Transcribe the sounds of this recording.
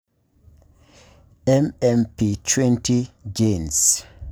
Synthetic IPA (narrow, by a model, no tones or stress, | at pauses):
ɛmɛmpitʰwɛ̃ntid͡ʒens